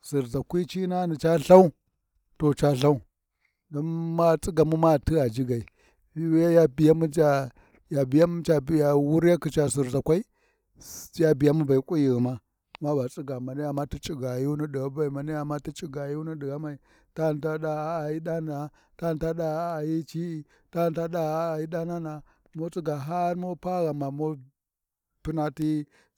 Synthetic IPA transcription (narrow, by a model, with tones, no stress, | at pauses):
si˨ɾza˨kʷi˦t͡ʃi˦na˦ni˨t͡ʃa˦ɬa˦u˦ | to˨t͡ʃa˦ɬa˦u˦ | do˦nma˦˨t͡sʼi˦ɡa˨mu˦ma˦˨ti˦a˨d͡ʒi˦ɡa˨i˨˦ | a˦ja˦bi˨ja˦mu˦d͡ʒa˦ | ja˨bi˨ja˦m˦t͡ʃa˨ja˨wu˦ɾa˦ki˨t͡ʃa˨s̬i˨ɾza˨kʷa˦i˦ | ja˦bi˨ja˦mu˦ba˨i˨kʼu˦ji˨ɣi˨ma˦˨ | ma˦ba˨t͡sʼi˦ɡa˨ma˨ni˦a˨ma˦ti˦t͡ʃʼi˦ɡa˨ji˦ni˦di˨ɣa˦ba˨i˨ma˨ni˦a˨mːa˦ti˦t͡ʃʼi˦ɡa˨ji˦u˦ni˦di˨ɣa˦ma˨i˨ | ta˦˨n˨ta˦ɗa˦a˦˨ji˦ɗa˦n˨a˨ | ta˦˨n˨ta˦ɗa˦a˦a˨ji˦t͡ʃi˦i˨ | ta˦˨nta˦ɗa˦a˦˨ji˦ɗa˦na˦na˨ | mo˦t͡sʼi˦ɡa˨ɦa˦ɾmo˦pa˦ɣa˨ma˨mo˦ | pi˦na˦ti˦